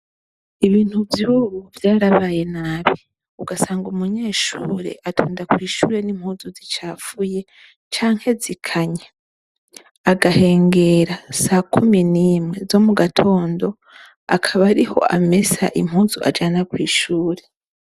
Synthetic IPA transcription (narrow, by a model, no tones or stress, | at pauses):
iβiːn̥huvjuuβuvjaːɾaβaːje̞naβi | uɡasaːŋɡumuɲe̞ːʃṵːɾe̞̰ʔatʰuːndakwiːʃuːɾe̞nim̥huːnzuzit͡ʃaːfuje̞ | t͡ʃaːŋ̥he̞zikʰaɲa | aɡahe̞ːŋɡe̞ɾasaːkuminimŋe̞zo̞muɡatʰo̞ːndo̞ | akʰaβaɾiho̞̰ʔame̞sa̰ʔim̥huːnzuʔa̰d͡ʒanakwiːʃuːɾe̞